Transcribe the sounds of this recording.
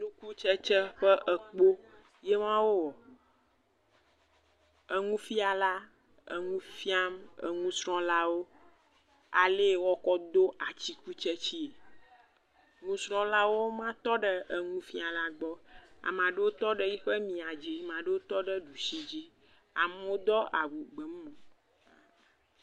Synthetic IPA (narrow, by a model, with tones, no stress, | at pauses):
ɖu˦ku˦t͡ʃə˦t͡ʃə˦ɸə˦ʔə˨k͡po˦ | je˦mã˦wo˦wɔ˨ | ə˨ŋũ˦fi˦a˨la˦ | ə̰˨ŋũ˦fi˦a˦mə̰˨ŋũ˦sɾ̃ɔ̃˦la˦wo˦ | a̰˨le˦˨wɔ˦kɔ˦d̪o˦a˨t͡ɕi˦ku˦t͡ʃə˦t͡ɕi˦e˨ | ŋũ˦sɾ̃ɔ̃˦la˦wo˦mã˦t̪ɔ˦ɖə˦ʔə˨ŋũ˦fi˦a˨la˦ɡ͡bɔ˦a̰˨mã˨ɖə˦wo˦t̪ɔ˦ɖə˦ji˦ɸə˦mĩ˨a˨d͡ʑi˦mã˨ɖe˦wo˦t̪ɔ˦ɖə˦ɖu˨si˦d͡ʑi˦ | a̰˨me˦wo˦d̪ɔ˦a˨wu˨ɡ͡bə˨˦mː˦õ˨